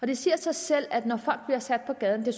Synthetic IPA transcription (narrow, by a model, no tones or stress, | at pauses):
ɒ̽d̥e̝siɐsɑɪsel̰æd̥nɒfɒ̽l̰ɡ̥̚d̥bliɐsæd̥̚pʰɒ̽ɡ̥ɛð̞ˠn̩d̥e̝s